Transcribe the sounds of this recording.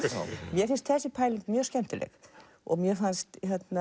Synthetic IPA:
mjɛfɪnst̪θɛsːɪpʰaːjlɪt̪mjœ̥ːscɛm̥t̪ɪlɛ̰x | ɔ̰ɣmjɛfanst̪çjɛt̪na

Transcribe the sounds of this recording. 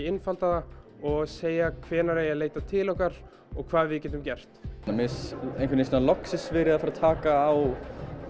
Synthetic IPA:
ɪnfalt̪aðaɔɣseːjakʰvɛːnaɾejaleːjt̪at̪ʰɪlɔhkaɾ | ɔɣkʰvaːðvɪðcɛːt̪ʏmcɛr̥t̪namɪsejŋkvɪɾnɪsɛnalɔksɪsvɪɾɪðafɪɾat̪ʰaːkaːw

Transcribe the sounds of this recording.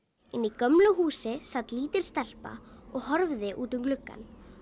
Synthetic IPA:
ɪnːikœmlʏɦuːsɪsat̪liːt̪ɪɾ̥st̪ɛl̥pa̰ɔɣhɔɾvðɪʔuːt̪ʏmklʏkːa̰n

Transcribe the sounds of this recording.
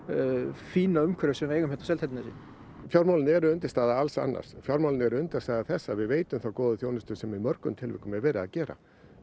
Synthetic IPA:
fiːnaʏmkʰɛɾʏsɛmaɾeːjɣʏmhɛt̪asɛlʰɛt̪nasḭn | fjawɾmawlɪnɛɾʏʏnt̪ɪst̪aːðaalsa̰nːʔa̰̥sfjawɾmawlɪnɛɾʏʏnt̪ɪst̪aːðaθɛsːavɪðveːjt̪ʏmθawkɔːðʏθjoːwnɪst̪ʏsɛmimœɾkʏmt̪ʰɪlvɪ̰hkʏmɛðvɛːɾɪa̰ðcɛːɾa̰

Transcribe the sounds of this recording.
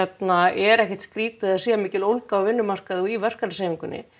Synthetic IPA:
ɛt̪naɛɾɛhcɛ̥ht̪skɾiːt̪ɪðaðsiːɣamiːcɪlowlkawvɪnːʏmar̥kaðɔivɛr̥kaseːmiŋkʏnːɪ̰

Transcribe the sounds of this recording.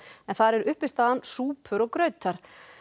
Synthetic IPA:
ɛnθaɾɛɾʏhpɪst̪aːðansuːpʰʏɾɔɣkɾœːɥt̪aɾ̥

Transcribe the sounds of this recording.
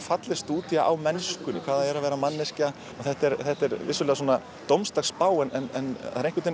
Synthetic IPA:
fat̪lɪst̪uːt̪jaʔawmɛnskʏnɪ̰kʰvaːðaɛɾavɛːɾamanːɪsca | ɔθɛht̪ɛɾθɛht̪ːɛɾvɪsʏlɛːðas̬ɔːna | t̪owmst̪axspaːwɛnɛnɛnaɾejhŋkʏt̪e

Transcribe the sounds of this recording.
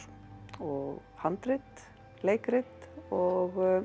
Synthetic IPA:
ɔɣ | hant̪ɾɪt̪ | leːjkɾɪt̪ɔɣ

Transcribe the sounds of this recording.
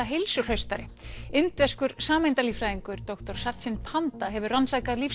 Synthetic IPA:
aɦejlsʏr̥œɥst̪aɾɪɪnt̪vɛskʏɾsaːmɪjnt̪alifɾajðiŋkʏɾt̪ɔkt̪ɔɾ̥sat̪sɪnpʰant̪aɦɛvʏransaːjkaðlif

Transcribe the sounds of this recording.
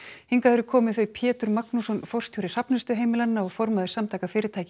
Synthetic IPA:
hiŋkaðɛɾʏkʰɔːmɪðθœɥjpʰjɛːt̪ʏɾmaknusɔnfɔr̥st̪juwɾɪr̥apnʏst̪ʏɦeːjmɪlannaɔɣfɔɾmaðʏɪ̥samt̪ʰajkafɪːɾɪɾt̪ʰaːjcɪ

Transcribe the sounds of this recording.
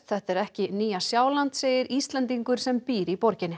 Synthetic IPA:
t̪θɛht̪ɛɾɛhcɪniːjasjaːwlant̪seːjɪɾist̪lɛnt̪iŋkʏɾ̥sɛmpiːɾipɔɾcɪnɪ

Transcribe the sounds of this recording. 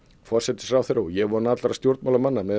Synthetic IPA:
fɔr̥sɛt̪ɪ̥sɾaːwθɾowjɛɣvɔɾnat̪laɾast̪jowɾt̪mawlamanːamɛ

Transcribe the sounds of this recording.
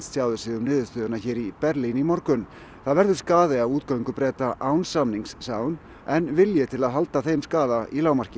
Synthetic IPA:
stsjawðʏsɪðʏmnɪːðʏst̪ʏːðʏnaçɛːɾipɛɾlinimɔɾkʏn | θaðvɛɾðʏ̥skaːðɪavuːt̪kaɥjŋkʏpɾɛːt̪aʔawnsamniŋssaːwn | ɛnvɪljɛt̪ʰɪlaðɦalt̪aθejmskaːðaʔilaːwmar̥cɪ

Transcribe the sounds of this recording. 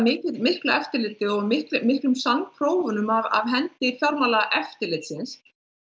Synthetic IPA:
mɪcɪðmɪhklaɛft̪ɪɾlɪːt̪ɪɔɣmɪhklmɪhklʏmsanpʰɾoːwvʏnʏmava̰vɦɛnt̪ɪfjɔɾmalaʔɛft̪ɪɾlɪt̪sɪns

